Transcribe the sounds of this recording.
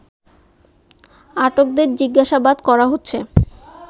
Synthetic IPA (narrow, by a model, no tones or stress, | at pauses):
aʈok̚d̪eɾd͡ʑiɡːaʃabad̪kɔɾaɦotːɕʰe